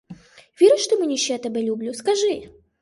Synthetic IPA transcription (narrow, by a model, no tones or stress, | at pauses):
vʲiɾɨʂʂt̪ɔmɨnʲiɕɛjɐt̪abʲɛlʲublʲuskaʐɨ